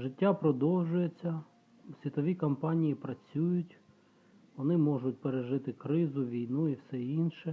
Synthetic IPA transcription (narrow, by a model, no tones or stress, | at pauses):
ʒɪtʲːapɾɔd̪ɔwʒʊjet͡sʲːɐ | sʲʋʲit̪ɔʋʲikɔmpɑnʲijipɾɐt͡sʲujʊtʲ | ʋɔnɪmɔʒʊt̚ʲpeɾeʒɪt̪ɪkɾɪzʊʋʲijnuiwsɛinʃɛ